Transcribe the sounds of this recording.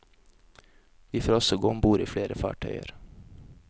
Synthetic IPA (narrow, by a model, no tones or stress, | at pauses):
ʋiːfoːɾɔsɔɡombuːɾḭːfɽeːɾəfɑ̰ːʈʰœʏə̰ɾ